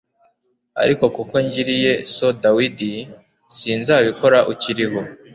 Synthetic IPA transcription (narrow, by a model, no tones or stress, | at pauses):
a̰ɾiko̞kuko̞ɲɟiɾije̞so̞dawidi | siːnzaːβiko̞ɾaʔuciɾiɦo̞